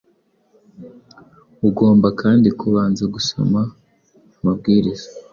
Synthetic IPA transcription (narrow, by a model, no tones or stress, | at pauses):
uɡo̞ːmbakʰaːndikʰuβaːnzaɡuso̰ma | mabɡiːɾiz̥a